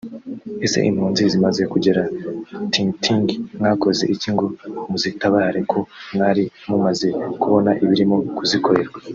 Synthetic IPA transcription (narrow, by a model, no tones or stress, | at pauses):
e̞se̞̰ʔḭmhuːnzizimaze̞kuɟe̞ɾatiŋtiŋɡŋŋaːko̞ze̞̰ʔiciŋɡumuzitaβaːhaɾekʰo̞mŋaːɾi | mumaze̞kuβo̞naʔiβiɾimokuziko̞ɾe̞ɾɡwa